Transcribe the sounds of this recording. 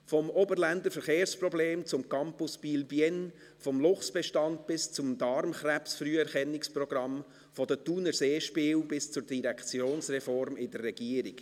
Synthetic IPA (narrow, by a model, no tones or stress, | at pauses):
fɔmɔbəɾlænd̪əɾfəɾχeːɾspɾɔbleːmt͡sʊmkɑmpʊspiːlbjɛn | fɔmlʊχsb̥ɛʃtɑnd̪̚b̥ɪst͡sʊmd̪ɑɾmχɾæpsfryəɛɾχɛnːɪksprɔɡ̥ɾɑm | fɔd̪ətuːnəɾseːʃpɪːwbɪst͡sʊɾd̥iɾɛkt͡sjoːnsrɛfɔɾmɪdərːɛɡ̥iəɾiɡ̥